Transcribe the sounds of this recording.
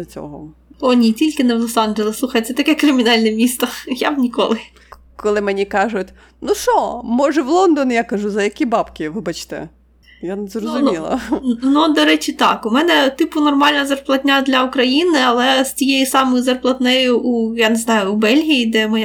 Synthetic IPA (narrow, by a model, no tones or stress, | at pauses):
ɐt͡sʲɔ̰ɦɔ̰ | ɔnʲitʲilʲkɪnɛʋlˠɔsɑnʒelˠɪsˠuxɐjt̪sɛt̪ɐkɛkɾɪmʲinɑlʲnɛmʲist̪ɐjabnʲikɔ̰lˠɪ | kɔlˠɪmɛnʲikɑʒʊtʲ | nuʃɔmɔʒɛʋlˠɔnd̪ɔnʲjakɐʒuzɐjɐkʲibɑpkʲɪʋɪbɐt͡ʃt̪ɛ̰ | janɛzrɔzʊmʲilˠɐ̰nud̪ɔɾɛt͡ʃʲɪt̪ɑkʊmɛnɛt̪ɪpʊnɔrmɑlʲnɐzɐrplˠɐt̪ʲnʲad̪lʲɐʊkɾɐjinɪɐlˠɛstʲijejisɑmɔjʊzɐrplˠɐt̪nɛjʊʔujaneznɑjʊːbɛlʲɦʲijid̪ɛmɔj